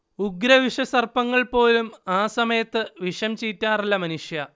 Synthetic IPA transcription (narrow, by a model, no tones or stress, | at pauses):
uɡɾɐʋiʂɐsɐrpɐŋːɐɭpo̞ːlumaːsɐmɐjɐt̪ːɨʋiʂɐmt͡ɕiːtːaːrɐlːɐmɐnuʂjɐ